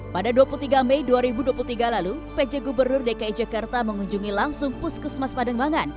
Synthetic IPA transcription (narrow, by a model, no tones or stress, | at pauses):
padaduapulut̪iɡamejduaɾibuduap̬ulut̪iɡalaluped͡ʒɛɡubərnʊrdekaid͡ʒakart̪aməŋuɲd͡ʒuŋilaŋsʊŋpʊskusmaspadaŋbaŋan